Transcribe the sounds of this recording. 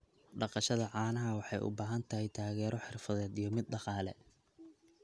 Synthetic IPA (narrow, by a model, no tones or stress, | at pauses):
ɖɑqɑʃɐðɐʕɑːnɐɦɐwɑħɑjʔʊ̰baːɦɐnt̪ʰɐhɛjt̪ʰaːɣɛːɾʔɔħɪrfɐðɛːd̪ijɞmɪd̪̚ɖɑqɑːlɛ